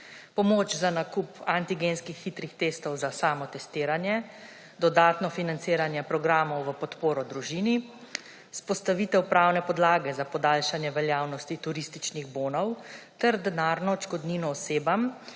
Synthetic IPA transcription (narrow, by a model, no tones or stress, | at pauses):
pɔmoːt͡ʃzanakupant̪iɡenskixːit̪ɾixt̪eːst̪ɔwzasaːmɔt̪ɛst̪ɪːɾanjɛ | d̪ɔd̪aːt̪nɔfinant̪siːɾanjɛpɾɔɡɾaːmɔwʋəpɔt̪poːɾɔd̪ɾuʒiːni | spɔst̪aʋiːt̪ɛwpɾawnɛpɔd̪laːɡɛzapɔd̪aːlʃanjɛʋɛljaːwnɔst̪it̪uɾist̪it͡ʃniɣboːnɔwt̪ɛɾd̪ɛnaːɾnɔt͡ʃkɔd̪ninɔːseːbam